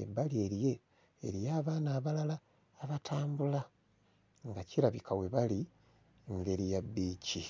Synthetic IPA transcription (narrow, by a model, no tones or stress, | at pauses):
ḛbalie̞ɾje̞̰ː | ɾijaːβaːnaːβalalaː | βatʰaːmbula | ŋɡaciɾaβikawe̞βali | ŋɡe̞ɾijabːiːci